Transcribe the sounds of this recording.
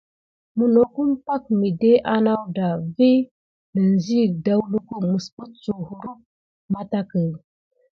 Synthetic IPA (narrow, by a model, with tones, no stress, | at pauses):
mə˨no˨ku˦npa˦k̚mi˨de˦ʔa˦na˦wda˨vi˦ | nə˨n˨zi˦˨da˦wlu˦ku˦ŋə˨spu˦t͡su˨hu˨ɾu˦k̚ | ma˦ta˦kə˨